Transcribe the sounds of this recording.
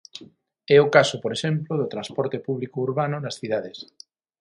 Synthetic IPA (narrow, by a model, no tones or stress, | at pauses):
ɛokasʊpoɾeʃemploðot̪ɾãspɔɾt̪epuβlikouɾβanʊnasθið̞aðes